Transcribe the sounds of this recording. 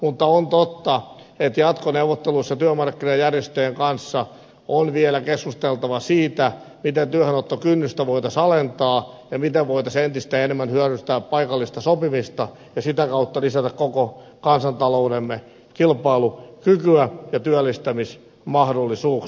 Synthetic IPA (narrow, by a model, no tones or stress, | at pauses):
mut̪ːɑont̪ot̪ːɑet̪jɑt̪koneuʋot̪ːeluisːɑt̪yømɑrkːinɑjjærjest̪øːeŋkɑnsːɑ | onʋielækeskust̪elt̪ɑʋɑsiːt̪æ | mit̪ent̪yøhænot̪ːokynːyst̪æʋoit̪ɑsɑlent̪ɑː | jɑmit̪eʋʋoit̪ɑsent̪ist̪æenemːænhyæɾyst̪æːppɑikɑlːist̪ɑsopimist̪ɑ | jɑsit̪ækɑut̪ːɑlisæt̪ækkokokɑnsɑnt̪ɑloːdemːe | kilpɑilukykyæjɑt̪yælːist̪æmis | mɑhdolːisuːk